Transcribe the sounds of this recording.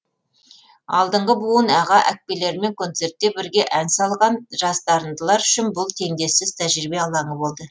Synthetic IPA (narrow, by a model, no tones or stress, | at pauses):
ɑ̰lˠd̪əɴʁəbuənɑʁɑʔæk̚pe̞le̞ɾɪme̞ŋkʰo̞nt̪se̞ɾt̪̚ːe̞bɪɾɡʲe̞ʔænsɑlˠʁɑnʒ̥ɑst̪ɑɾənd̪əlˠɑɾʏʃɪnbʊlˠt̪ʰe̞ŋd̪e̞sɪz̥t̪ʰæʒɾibe̞ɑlˠɑɴəbo̞lˠd̪ə